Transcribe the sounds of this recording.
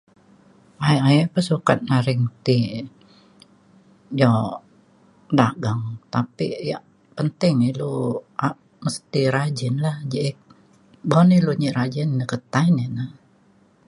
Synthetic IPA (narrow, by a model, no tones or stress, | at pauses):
aajapəsuka̰t̪̚naɾɪŋt̪i | d͡ʒɔ | daɡaŋt̪apija̰ʔ | pənt̪ɪŋilua | məst̪iɾad͡ʒɪnlahd͡ʒiʔk̚ | boniluɲiɾad͡ʒɪnnəkət̪ainena